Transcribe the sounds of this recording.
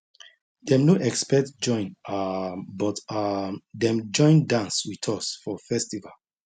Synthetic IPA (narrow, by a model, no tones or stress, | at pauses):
dɛ̃mnoʔɛkspɛk̚td͡ʒɔ̃ɪ̃nabɔtadɛ̃md͡ʒɔ̃ɪ̃ndãnswitʰɔsfɔfɛstival